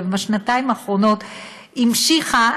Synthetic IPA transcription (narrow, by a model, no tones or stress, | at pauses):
vaʃnat̪aimaχʁo̞no̞t̪ | imʃiχa